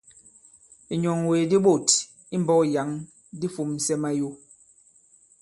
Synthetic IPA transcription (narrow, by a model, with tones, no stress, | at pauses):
i˨ɲɔ˨ŋwe˨di˦ɓo˦˨t | i˦m˨bɔ˦kja˨˦ŋ | di˦fu˨m˨sɛ˦ma˦jo˦